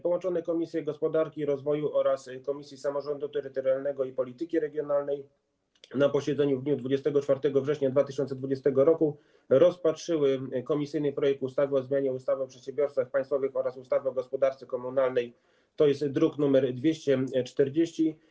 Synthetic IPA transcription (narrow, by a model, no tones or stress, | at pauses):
pɔwɔnt͡ʂɔnɛkɔmʲisʲjɛɡɔspɔd̪aɾkʲiɾɔzvɔjuʔɔɾaskɔmʲisʲjisamɔʐɔnd̪ut̪ɛɾɘt̪ɔɾjalnɛɡɔipɔlʲit̪ɘkʲiɾɛɡʲjɔnalnɛj | napɔɕɛd̪zɛɲuvd̪ɲud̪vud͡ʑɛst̪ɛɡɔt͡ʂfaɾt̪ɛɡɔvʐɛɕɲad̪vat̪ɘɕɔnt̪sɛd̪vud͡ʑɛst̪ɛɡɔɾɔku | ɾɔspatʂɘwɘkɔmʲisɘjnɘpɾɔjɛk̚t̪ust̪avɘɔzmʲjaɲɛust̪avɛpʂɛt̪ɕɛ̃mbʲjɔɾst̪saxpaj̃st̪fɔvɘxɔɾasust̪avɘɔɡɔspɔd̪aɾt̪sɘkɔmunalnɛj | t̪ɔjɛst̪d̪ɾuknumɛɾd̪vʲjeɕt͡ɕɛt͡ʂt̪ɛɾd͡ʑeɕt͡ɕi